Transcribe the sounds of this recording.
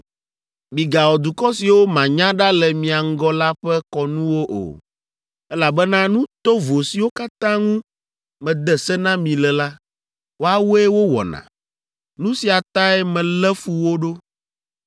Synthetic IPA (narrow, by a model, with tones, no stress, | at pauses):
mĩ˨ɡa˨wɔ˨d̪u˨kɔ˦si˨wo˦mã˨ɲã˦ɖa˦lɛ˨mĩ˨a˨ŋ̩˦ɡɔ˦la˦ɸɛ˦kɔ˨nũ˦wo˦ʔo̰˨ | ɛ˦la˨bɛ˦nã˦nũ˦t̪o˦vo˨si˨wo˦ka˦t̪ã˦ŋũ˦ | mɛ̃˨d̪ɛ˨sɛ˦nã˦mĩ˨lɛ˨la˦ | wo˦a˨wo˦ɛ˦wo˦wɔ̰˨nã̰˨ | nũ˦si˨a˨t̪a˦ɛ˦mɛ̃˨lɛ˦fu˦wo˦ɖo˦